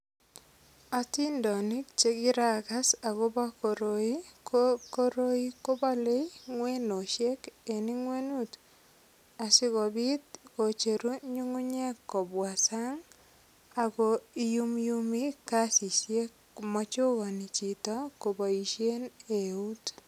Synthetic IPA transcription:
a˦ti˦ndɔ˨ni˦k̚t͡ʃe˦ki˦ɾa˨ka˦sa˨ko˦ba˦ko˨ɾoi˦ko˦ɾo˦i˦ko˦ba˦le˦jŋwe˦no˨ʃe˦ke˨ni˦ŋwe˦nu˦t | a˨sɪ˦kɔ˨bi˦t̪̚ko˨t͡ʃe˨ɾu˦ɲu˦ŋu˦ɲe˦kːɔ˨bwa˨sa˦ŋ | a˨ko˨i˦ju˦mju˦mi˦ka˦si˨sje˦k | mɔ˦t͡ʃʊ˦kɔ˨ni˨t͡ʃi˨tɔ˦ko˨bɔ˨i˨ʃje˦ne˨u˦t

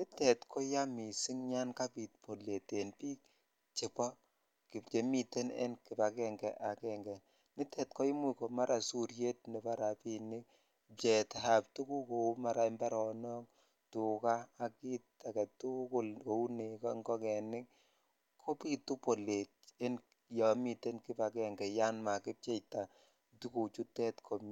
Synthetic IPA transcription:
nɪ˦tɛ˨tkʰɔ˦ja˦mi˨sɪ˦ŋɲa˦nka˦pi˨tpo˨le˨te˨npiː˦k̚ | t͡ʃɪ˨pɔ˦ | kɪ˨t͡ʃe˨mi˨te˦nḛ˦nkɪ˨pa˨kɛ˦˨ŋɡɛ˨ʔa˨kɛ˨ŋɡɛ˨ | nɪ˦tʰɛ˨tkɔ˦i˦mu˦˨kɔ˨ma˦ɾʔa˨su˦ɾje˦t̚nɛ˨pa˦ɾa˨pi˦nɪ˦k | pɛ˨tha˨ptu˦ku˦ko˨u˦ma˨ɾa˨˦mba˦ɾɔ˨nɔ˦k | tʊ˨kaː˦˨ki˦ta˨kɛ˨tʊ˦kʊ˦˨lko˨u˦ne˨kɔ˦ŋɡɔ˦kɛ˨nɪ˦k̚ | kʰːo˦pi˦tu˦po˨le˨te˦n | ja˨mi˨te˦nkɪ˦pa˨kɛ˦ŋɡɛ˨ja˦nma˨kɪ˦p̚t͡ʃe˦jta˨ | tu˦ku˨t͡ʃu˦tɛ˦tkʰo˨m

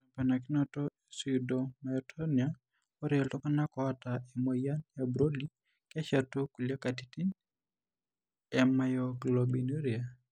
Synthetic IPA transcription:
a˨pa˨na˨ki˦nɔ˦tɔ˦e˨su˨dɔma˨tʰɔnia | ɔ˦ɾɛ˨ɛltɔ˦ka˦na˦kɔa˦ta˨emo˨ja˦njabɾo˦li˦ | kɛ˦ʃa˨tu˦ku˨lja˦ka˨titi˦n | ɛma˨jɔɡlobi˨no˦ɾi˨a

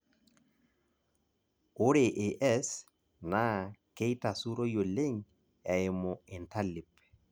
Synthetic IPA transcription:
ʊ˦ɾe˨ʔɪ˨ʔɛ˦s | na˦ke˦i˦ta˨su˦ɾo˦jo˨le˦ɲ | ɛ˨ɪ˨mʊ˨ɪ˨nta˦lɪ˨p

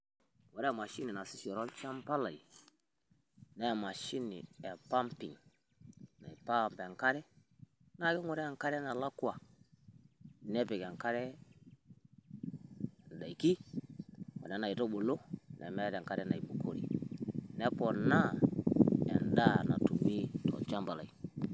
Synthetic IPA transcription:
wo˨ɾe˦˨ma˨ʃi˦ni˨na˨si˦so˨ɾo˦lt͡ʃa˦mpa˦la˨i˨ | nɛ˦˨ma˨ʃi˦nḭ˨ɛ˨pa˦mpḭ˨ŋ | na̰˨i˨pa˦˨mpe˨ŋka˦ɾɛ˦ | na˦ki˦ŋo˨ɾɛ˦˨ŋka˦ɾɛ˦na˨la˦ku˦a˨ | ne˦pe˨ke˨ŋka˦ɾɛ˦ | n˨da˨i˨ki˦ | o̰˨ne˦na˨i˨to˦ɓo˨lo˦nʔa̰˨me˦ɾe˨ŋka˦ɾɛ˦na˨i˨bu˨kʰo˨ɾḭ˨ne˦po˨na˦ | ɛ̰˨nda˦na̰˨tu˨mi˦tɔ̰˨lt͡ʃa˦mpa˨la̰˨i˨

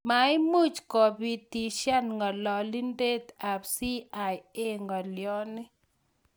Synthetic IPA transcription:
ma˨ɪ˦mu˦˨t͡ʃkɔ˨bi˨ti˨ʃja˦nŋɡɔ˨lɔ˨li˦nde˦t̪a˨psi˦a˨je˦ŋɡɔ˨ljɔ˦nɪ˦

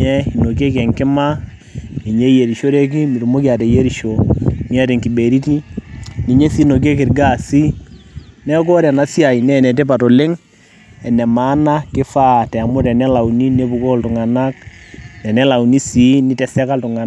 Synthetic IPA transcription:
ɛ˦i˨no˨ke˦kɛ˨ŋkɪ˦ma˦ | i˨ɲe˦je˨ɾi˨ʃo˦ɾe˦k̬i˦mi˨ɾu˨mo˦kja˨tɛ˨je˦ɾi˨ʃo˨mi˦a˦te˨ŋki˨be˨ɾi˦ti˦ni˨ɲe˦si˦no˨k̬e˦kɪ˨ɾɡa˦˨si˦ | nɛ˦kɔ˦ɾɛ˨na˦sja˨i˨nɛ˦˨nɛ˨t̬e˦pa˨to˨le˦ŋ | ɛ˨nɛ˨ma˨˦na˦kɪ˦fa˦tɛ˨mʊ˦tɛ˨nɛ˦la˨wu˨ni˦ne˦bu˨ko˦˨ltʊ˨ŋa˨na˦k̚tɛ˨nɛ˦la˨u˨ni˦si˨˦nɪ˦tɛ˨sɛ˦ka˦ltʊ˨ŋa˨

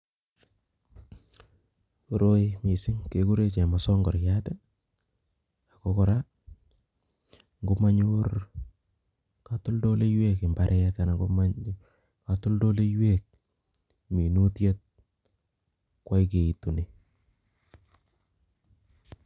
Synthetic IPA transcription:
o˨ɾo˦mi˨sɪ˦ŋke˨ku˦ɾe˦t͡ʃe˨masɔ˦ŋɡɔ˨ɾjatɛ˦ | a˨kɔkɔ˨ɾa | ŋɡo˦ma˦ɲur | katʊ˦ldo˦le˦jwe˦kɪ˨mbaɾʔɛtana˨ɡoma | katʊ˦ldo˦le˦jwek̚ | mi˨nu˦tje˦t̚ | kwa˦jk̬e˨i˨tu˨ne˨

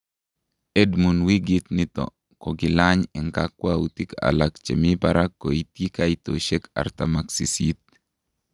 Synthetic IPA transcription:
e˦dmu˨nwi˦ɡɪt̪nɪ˦t̪ɔ̰˨ | kɔ˨ɡɪ˨laɲɛ˨ŋkakwaut̪i˦ka̰lakt͡ʃe˨mi˦paɾʔakːo˨i˦t̪ji˦ka˦i˦t̪o̰ʃe˦ka̰˨ɾt̪amaksi˨sit̪̚

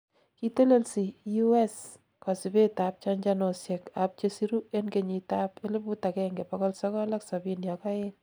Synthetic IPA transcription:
ki˦te˦le˦lsi˨ju˦e˦s | ka˨si˨be˦ta˨p̚t͡ʃa˦ɲd͡ʒa˦no˨sjɛ˨kap̚t͡ʃe˦si˦ɾu˦e˦nke˨ɲi˨ta˦pe˦le˦pu˦takɛ˦ŋɡe˨pɔkɔ˦lsɔ˦kɔ˦la˦ksa˨binjɔka˦e˦

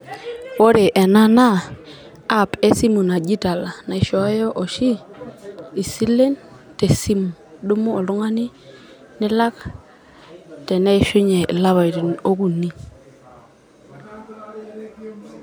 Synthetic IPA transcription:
wo˦ɾe˨ʔɛ˨na˦na˦ | a˦˨pe˦si˦mu˨na˨d͡ʒi˦ta˨la˨na˨ɪ˨ʃɔ˨˦jɔ˦ʔɔ˨ʃi˦ | i˨si˦le˦n | te˨si˦mu˨du˦mu˦ɔ˨lu˦ŋa˦nɪ˦ | nɪ˦la˦k | tɛ˨nɛ˦˨ʃu˦ɲɛ˨la˦βa˨ti˨no˦ku˦ni˦

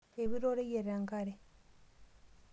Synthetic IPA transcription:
eβi˦ɾoɾe˦je˨ɾa˨ŋɡaɾe

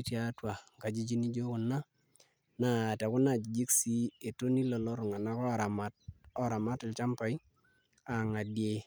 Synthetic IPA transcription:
tja˦twa˨ŋ˨ka˨d͡ʒi˦d͡ʒi˦ni˦d͡ʒo˦kʊ˨na˦ | na˨tɛ˨kʊ˦na˦˨d͡ʒi˨d͡ʒi˦ksi˦e˨to˦ni˦lɔ˨lɔ˦ɾʊ˨ŋa˨na˦kɔ˦˨ɾa˨ma˦t̚ɔ˦ɾa˨ma˦tɪ˨lt͡ʃa˦mpa˨i˦ | a˨ŋa˨dje˦

